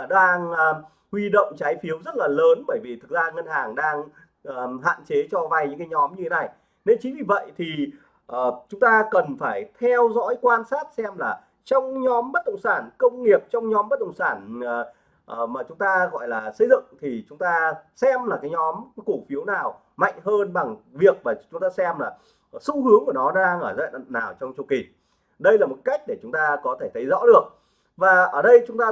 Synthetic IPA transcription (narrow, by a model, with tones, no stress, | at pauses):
ɗaː˧ŋ˧ | hwi˧ɗo̰˧˨wŋ͡mt͡ɕaː˨˦jfi˨˦əwzə˦˥t̚laː˨˩ləː˨˦nɓəː˧˩jvi˨˩t̪ʰɨ˨˩k̚zaː˧ŋə˧nhaː˨˩ŋɗaː˧ŋ | ʔːɦa̰ː˧˨nt͡ɕe˨˦t͡ɕɔ˧vaː˧˩jɲɨ̰˧˥ŋkːaː˨˦jɲɔ˨˦mɲɨ˧tʰe˨˦na˨˩j | ne˧nt͡ɕi˨˦nvi˨˩və̰˧˨jt̪ʰi˨˩ | ʔəː˨˩t͡ɕʊ˨˦ŋ͡mt̪aː˧kə˨˩nfaː˧˩jt̪ʰɛ˧wzɔ̰˧˥jkwaː˧nsaː˦˥t̚sɛ˧mlaː˨˩ | t͡ɕɔ˧wŋ͡mɲɔ˨˦mɓə˦˥t̚ɗə̰˧˨wŋ͡msaː˧˩nkə˧wŋ͡mŋi˨˩əp̚t͡ɕɔ˧wŋ͡mɲɔ˨˦mɓə˦˥t̚ɗə̰˧˨wŋ͡msaː˧˩nː˨˩ | ʔmaː˨˩t͡ɕʊ˨˦ŋ͡mt̪aː˧ɣɔ̰˧˨jlaː˨˩sə˧jzɨ̰˧˨ŋt̪ʰi˨˩t͡ɕʊ˨˦ŋ͡mt̪aː˧sɛ˧mlaː˨˩kaː˨˦jɲɔ˨˦mku˧˩fi˨˦əwnaː˨˩w | ma̰˧˨jŋ̟ɦəː˧nɓa˨˩ŋvi˨˩ək̚vaː˨˩t͡ɕʊ˨˦ŋ͡mt̪aː˧sɛ˧mlaː˨˩ | su˧hɨ˨˦əŋku˧˩nɔ˨˦nː˧a˧ŋʔəː˧˩za̰ː˧˨naː˨˩wt͡ɕɔ˧wŋ͡mt͡ɕu˨˩ki˨˩ | ɗə˧jlaː˨˩mo˨˩t̚ka˦˥jk̟̚ɗe˧˩t͡ɕʊ˨˦ŋ͡mt̪aː˧kɔ˨˦t̪ʰe˧˩t̪ʰə˨˦jzɔ̰˧˥ɗɨ˨˩ək̚ | vaː˨˩ʔəː˧˩ɗə˧jt͡ɕʊ˨˦ŋ͡mt̪aː˧